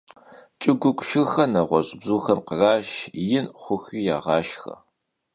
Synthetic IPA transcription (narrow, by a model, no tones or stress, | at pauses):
t͡ʃʼɨɡʷʊkʷʼʃɨxɐnɐʁʷɔɕʼbzuːxɐmqəraːʃjɪnχʷʊxiːjaːʁɑːʃxɐ̰